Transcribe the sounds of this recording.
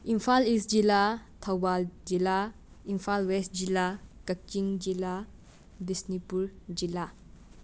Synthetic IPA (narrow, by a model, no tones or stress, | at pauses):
impʰalisd͡ʒilatʰawbald͡ʒila | impʰalwɛst̚d͡ʒilakɐk̚t͡ʃiŋd͡ʒila | disnipuɾd͡ʒila